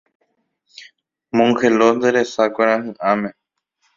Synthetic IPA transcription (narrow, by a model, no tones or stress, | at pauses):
mũŋkʰeloːnd̪eleːsaːkeɾãːɦɨ̃ʔaːmẽ